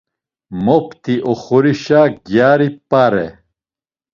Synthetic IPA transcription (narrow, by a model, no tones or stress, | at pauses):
mopt̪iʔoχuɾiɕaːɡjaːɾipaɾḛ